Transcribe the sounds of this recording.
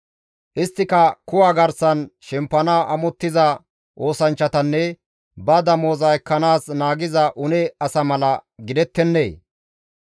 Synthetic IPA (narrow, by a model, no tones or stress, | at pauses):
ʔɪst̪ːɪkɐkʊwaːɡɐɾsɐnʃɛmpːɐnaːʔɐmɔt̪ːɪzɐ | ʔo̞ːsɐnt͡ʃːɐt̪ɐnːɛ | bɐd̪ɐmoːzɐɛkːɐnaːsnaːɡɪzɐʔʊnɛɐsɐmɐlɐɡɪd̪ɛt̪ːɛnːḛː